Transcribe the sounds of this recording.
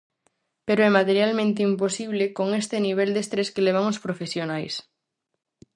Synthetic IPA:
peɾoɛmat̪eɾjalmẽnt̪eimposiβlekoŋest̪eniβ̞eld̪est̪ɾeskeleβ̞aŋospɾofesjonajs

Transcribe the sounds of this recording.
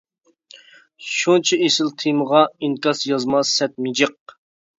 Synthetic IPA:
ʃunt͡ʃʰiesɪlt̪ʰiməʁɑiŋkɑsjɑzmɑsːɛt̪̚mɪd͡ʒəq̚

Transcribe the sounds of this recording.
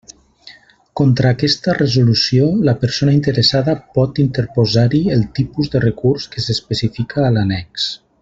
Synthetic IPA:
kont̪ɾaːkɛst̪ərəzulusjoləpəɾsonaint̪əɾəsaðəpɔt̪int̪əɾpozaɾiəlˠt̪ipuzðərəkuɾskəsəspəsifikʰaːlanɛks

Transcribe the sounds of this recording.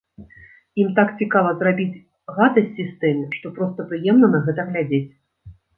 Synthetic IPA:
imt̪akt͡sʲikavɐzrabʲit͡sʲ | ɣad̪ɐsʲt͡sʲist̪ɨmʂt̪ɔpɾɔst̪ɐpɾɨjɛmnɐnɐɣɛt̪ɐɣlʲad͡zʲet͡sʲ

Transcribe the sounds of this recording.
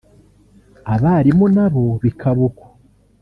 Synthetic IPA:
aβaɾimunaβo̞βikʰaβuko̥

